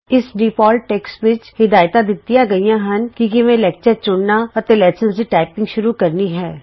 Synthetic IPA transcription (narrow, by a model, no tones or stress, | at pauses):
ɪsɖiːpɔːlʈːɛːksʋɪt͡ʃhɪd̪aːjt̪ãd̪ɪt̪ːijãɡɐijãɦɐnkikiʋẽlɛːk̚t͡ʃəɾt͡ʃʊɽnaɐɾt̪elɛːsə̃nsɾiːʈaːɪpɪ̃ŋɡʃʊɾukɐɾniɦɛː